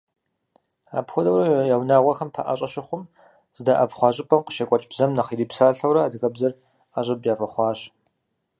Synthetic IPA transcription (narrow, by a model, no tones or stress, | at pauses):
a̰ːpxʷɔdɐwɾɐjawnaːʁʷɔxɐmpʰɐ̰ʔɐ̰ɕʼɐʃɪχʷʊm | z̥ɨdaʔɐpχʷɑːɕʼɪpʼɐmqə̥ʃɐkʷʼɔt͡ʃʼbzɐmnɐχiɾiːpsaːɬɐwɾɐːdɨɣɐbzɐr | aɕʼɐbjaːfʼɐχʷɑːɕ